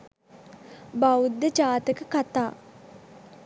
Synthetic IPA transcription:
bawud̪ːət͡ʃaːt̪əkəkat̪aː

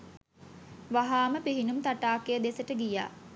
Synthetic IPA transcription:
ʋaɦaːməpiɦinumt̪aʈaːkejəd̪esəʈəɡija̰ː

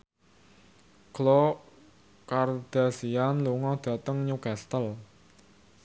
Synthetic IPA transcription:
ɡ̥lɔ | kard̪̥a̤sianluŋɔd̪̥ä̤t̪əŋɲukast̪əl

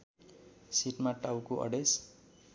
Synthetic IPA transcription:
siʈmaʈawkoʔʌ̰ɖes

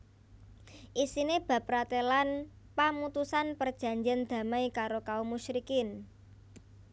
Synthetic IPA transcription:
ʔisineb̥ä̤pɾat̪elan | pamut̪usanpərd̥ʒ̥a̤ɲd͡ʒand̪̥ä̤majkaɾokaumuʃɾikɪn

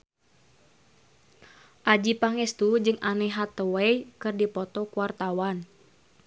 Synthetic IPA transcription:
ʔad͡ʒipaŋɛst̪ud͡ʒɨŋʔanɛɦat̪ɔwɛjkɨrdipɔt̪ɔkuart̪awan

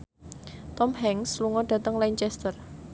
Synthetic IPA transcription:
t̪ɔmɦɛŋsluŋɔɖ̥ä̤t̪əŋlaɲt͡ʃɛst̪ər

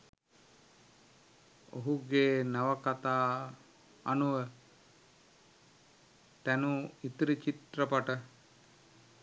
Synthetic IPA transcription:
o̰ɦuɡeːnaʋəkat̪aː | anuʋə | t̪ænuit̪ɾit͡ʃit̪rəpaʈə

